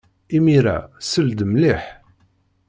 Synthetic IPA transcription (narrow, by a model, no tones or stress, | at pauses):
imiɾæ̰səld̪mliħ